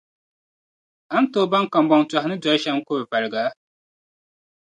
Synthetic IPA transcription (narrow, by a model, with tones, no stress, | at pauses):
a˦n˦toː˦˨ba˦ŋka˨m˦bɔ˨ŋta˨hɪ˦nɨ˦da˨˦ʃɛ˦ŋ˦kʊ˦bva˨ɾɨ˨ɡa˨˦